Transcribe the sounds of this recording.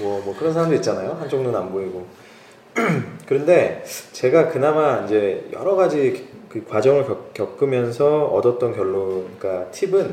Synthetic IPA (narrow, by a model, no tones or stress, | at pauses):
mwʌmwʌkɯɾʌnsʰaɾamdoit̚t͡ɕ͈anajoɦant͡ɕʰʌŋdonamboiɡo | kɯɾʌnde̞t͡ɕe̞ɡakɯnamaind͡ʑe̞jʌ̰ɾʌɡad͡ʑikɯkwad͡ʑʌŋɯɭkʌk͈jʌk͈ɯmjʌns̬ʰʌʌdʌt̚t͈ʌnkjʌɭːoik͈atʰibɯn